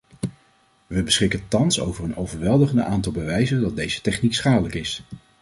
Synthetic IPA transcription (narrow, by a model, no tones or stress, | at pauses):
ʋəbəsχɪkəntɑnso̰wvərənowvəɹʋɛlˠdəχəndəʔaːntɑlˠbəʋɛjzəndɑd̚dejzə̥tɛχniksχaːdələkɪs